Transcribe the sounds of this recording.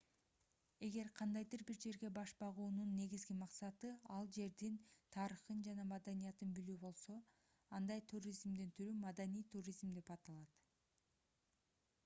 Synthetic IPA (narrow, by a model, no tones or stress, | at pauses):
e̞ɡe̞ɾqʰɑnd̪ɑjd̪ɯɾbiɾd͡ʒe̞ɾɡe̞bɑʃbɑʁuːnunːe̞ɡizɡimɑqsɑt̪ɯɑlˠd͡ʒe̞ɾd̪int̪ʰɑɾɯχɯnd͡ʒɑnɑmɑd̪ɑnijɑt̪ɯnbylyːbo̞lˠso̞ | ɑnd̪ɑjt̪ʰurʲizmd̪int̪ʰyɾymɑd̪anijt̪ʰurʲizmd̪epɑt̪ɑlˠɑt̪